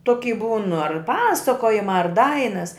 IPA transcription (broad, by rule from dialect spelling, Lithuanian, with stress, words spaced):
ˈtoːkʲiː buːn ɐr ˈpɑːsɐkoːjɪmɑː ɐr ˈdɐɪnɐs